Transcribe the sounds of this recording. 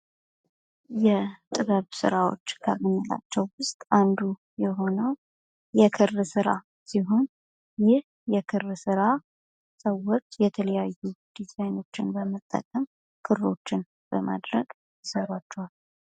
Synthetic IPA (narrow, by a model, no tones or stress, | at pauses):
jɛt̪ʼɨβəβsɨ̰ɾawo̞̰t͡ʃːɡʰəmɨnːila̰t͡ʃːɛwwʊst̪ʼand̪u | jɛɦo̞nəw | jɛkʰɨrːsɨɾa̰ | siɦo̞n | jɪh | jɛkʰɨrsɨɾa | səwːot͡ʃːjɛt̪ʰələjajːud̪̥izajno̞t͡ʃːɪnbəmət̪ʼːə̰kʼːəm | kʰɨro̞t͡ʃːɪn | b̥əma̰d̪ɾəɡ̥ | jɨsəɾat͡ʃːɛwalː